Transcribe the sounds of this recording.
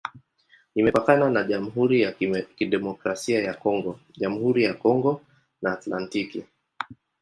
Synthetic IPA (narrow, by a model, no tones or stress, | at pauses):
nimɛpakananaʄam̩ɦuɾijakiɗɛmɔkɾasiajakɔŋɡɔ | ʄamuhuɾijakɔŋɡɔ | naːtlantiki